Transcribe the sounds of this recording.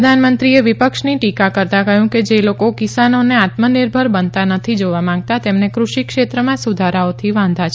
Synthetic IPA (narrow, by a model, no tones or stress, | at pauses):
əd̪ʱanmənt̪ɾieʋipəkʃniʈikakəɾt̪akəɦjũked͡ʒelokokisanoneat̪məniɾbʱəɾbənt̪anət̪ʰid͡ʒoʋamãŋɡ̚t̪at̪emnekɾuʃikʃet̪ɾəmãsud̪ʱaɾaot̪ʰiʋãnd̪ʱat͡ʃʰ